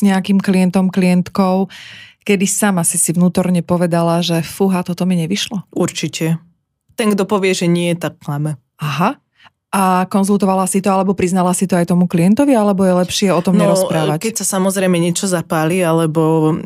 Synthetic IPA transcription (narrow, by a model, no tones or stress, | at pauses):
zɲɛakimkliɛnt̪ɔmkliɛnt̪kɔʊkɛd̪isaːmasisiʋnuːt̪ɔɾɲɛpɔʋɛd̪alaʒɛfuɦat̪ɔt̪ɔmiɲɛʋiʃlɔuɾt͡ʃicɛ | t̪ɛŋɡd̪ɔpɔʋɪɛʒɛɲɪɛt̪akːlamɛ | aɦa | akɔnzulˠt̪ɔʋalasit̪ɔalɛbɔpɾiznalasit̪ɔajt̪ɔmuklijɛnt̪ɔʋialɛbɔjɛlɛpʃɪɛɔt̪ɔmnɲɛɾɔspɾaːʋackɛcsasamɔzɾɛjmɛɲɪɛt͡ʃɔzapaːlialɛbɔ